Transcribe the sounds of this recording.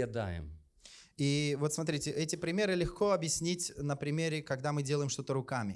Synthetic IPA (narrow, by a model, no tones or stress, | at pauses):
ɪd̪a̰jɪ̰m | ivo̞t̪smɐt̪ɾʲitʲɪʔɛtʲɪpɾʲɪmʲe̞ɾɨlʲɪxko̞ɐbjɪsʲnʲitʲnəpɾʲɪmʲeɾʲɪkɐɡd̪amɨdʲeləjɪmʂt̪o̞t̪əɾʊkamʲɪ